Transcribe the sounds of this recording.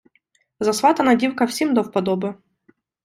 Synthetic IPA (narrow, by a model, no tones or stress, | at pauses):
zɐsvat̪ɐnadʲiwkɐfsʲimd̪ofpɐd̪ɔbɨ